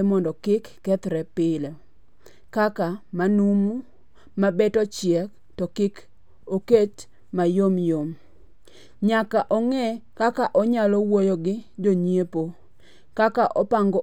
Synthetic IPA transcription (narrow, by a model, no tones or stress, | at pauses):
mɔndɔkɪkːɛt̪ɾɛpɪle | kakamanumu | mabɛtɔt͡ʃɪɛk | tɔkɪk | oket͡ʃ | majomjom | ɲakaʔɔŋɛkakaʔɔɲalɔwojoɡɪd͡ʒoɲiepo | kakaʔɔpaŋɡɔ